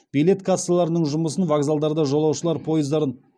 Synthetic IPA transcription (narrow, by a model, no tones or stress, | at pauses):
b̥ijle̞t̪kʰasːalˠɑɾənəɴʒʊməsənvaɡzalˠd̪ɑɾd̪ɑʒo̞lˠɑwʃəlˠɑɾpʰo̞jəzd̪ɑɾən